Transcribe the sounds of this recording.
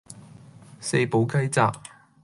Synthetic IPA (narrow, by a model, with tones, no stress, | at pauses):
se˧jpo˨˧wkɐ˥jt͡saː˨k̚